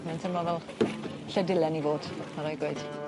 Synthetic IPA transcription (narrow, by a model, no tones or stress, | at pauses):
mɛntʰɪmɔvɛlˠ | ɬɛdɪlɛnivoːd̥maɾɔjɡweɨd̥